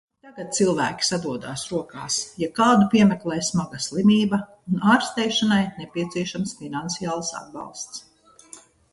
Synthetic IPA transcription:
t̪aɡat̪̚t̪silˠvæ̰ːkʲi̥sad̪uɔd̪aːsɾuɔka̰ːsjakaːd̪upiɛmɛklˠɛjsmaɡaslˠimʲiːbɐ | unaːɾst̪ɛjʃanajnɛpʲiɛt̪siɛʃamsfinant̪sijaːlˠsa̰d̪̚bɑ̰lˠst̪s

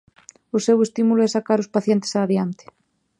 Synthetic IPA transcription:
ʊsewest̪imulʊɛsakaɾʊspaθjɛnt̪e̥saːðjant̪ɪ̥

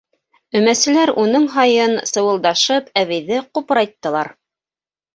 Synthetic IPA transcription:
ɵ̆mæsɘ̆læɾunɤɴɦɑjɤnsɤ̆wɤ̆lˠd̪ɑʃɤpæβɘ̆jðɘqupɾɑjt̪ːɤ̆lˠɑɾ

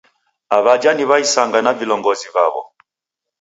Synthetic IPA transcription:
aβad͡ʒaniβaisaŋɡanavilɔŋɡɔziva̰βɔ̰

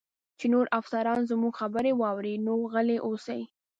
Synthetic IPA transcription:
t͡ʃenoɾʔafsaɾɑnzmuɡxabəɾewɑwɾinoɣəleʔosaj

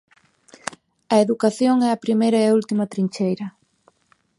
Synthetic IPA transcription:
ɐeðukaθjoŋɛɐpɾimejɾɐɛault̪imɐt̪ɾiɲt͡ʃejɾɐ

